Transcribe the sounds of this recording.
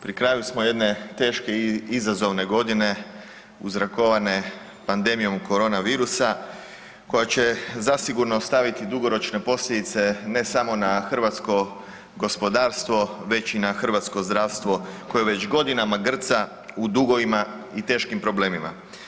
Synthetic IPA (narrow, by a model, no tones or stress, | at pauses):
pɾikɾaːjusmo̞je̞d̪ne̞t̪e̞ːʃke̞izazo̞ʋne̞ɡo̞d̪ine̞ | uzɾako̞ʋane̞ | pand̪e̞mijo̞mko̞ɾo̞ːnaʋiːɾusa | ko̞jat͡ɕe̞zasiɡuɾnost̪aʋit̪id̪uɡo̞ɾo̞t͡ʃne̞po̞slʎe̞d̪it̪se̞ne̞samo̞naxr̩ʋat̪sko̞ | ɡo̞spo̞d̪aːɾst̪ʋo̞ʋe̞t͡ɕinaxr̩ʋat̪sko̞zd̪ɾaːʋst̪ʋo̞ko̞jeʋe̞t͡ɕɡo̞d̪inamaɡr̩t̪sa | ud̪uɡo̞ʋimait̪e̞ːʃkimpɾo̞ble̞ːmima̰